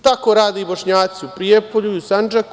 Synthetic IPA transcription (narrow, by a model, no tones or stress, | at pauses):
t̪akoːɾaːd̪eiboʃɲaːt̪siupɾiepoʎuiusand͡ʒak